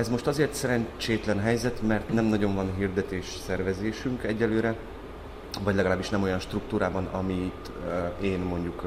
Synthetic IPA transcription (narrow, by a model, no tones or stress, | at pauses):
ɛzmo̞ʃt̪ɒzeːrt̪sɛɾɛɲt͡ʃeːt̪lɛnɦɛjzɛt̪mɛrt̪nɛmnɒɟo̞ɱvɒnɦird̪ɛt̪eːʃsɛrvɛzeːʃyŋkɛɟːɛlːøːɾɛ | vɒɟlɛɡɒlaːbːiʃnɛmo̞jɒnʃt̪rukt̪uːɾaːbɒnɒ̰mit̪ | eːnmo̞ɲɟuk